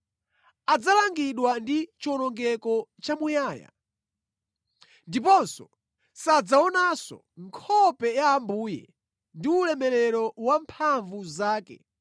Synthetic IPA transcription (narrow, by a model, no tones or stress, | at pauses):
ad͡zalaŋɡiɗwandit͡ʃiɔnɔŋɡɛkɔt͡ʃamujaːja̰ | ndipɔnsɔ̰ | sad͡zaɔnasɔ̰ | ŋkʰɔpɛjaːmbuːjɛ̰ | ndiulɛmɛɾɛɾɔwampʰaɱvuzaːkɛ̰